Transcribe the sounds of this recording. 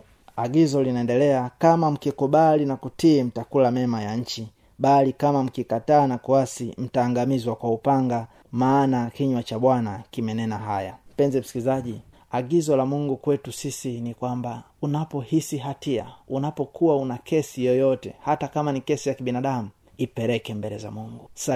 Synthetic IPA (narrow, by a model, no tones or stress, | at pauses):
aɡizɔlinaɛndɛlɛakamam̩kikuɓalinakutim̩takulamɛmajaɲ̩t͡ʃi | ɓalikamam̩kikataːnakuasim̩taːŋɡamizwakwaupaŋɡa | maːnakiɲwat͡ʃaɓwanakimɛnɛnaɦaja̰m̩pɛnzɛm̩si̥kilizaʄi | aɡizɔlamuŋɡukwɛtusisinikwamba | unapɔhisiɦatia̰unapɔkʰuwaunakʰɛsijɔjɔtɛ̰hatakamanikɛsijakiɓinaɗamu | ipɛɾɛkɛmbɛlɛza̰muŋɡusa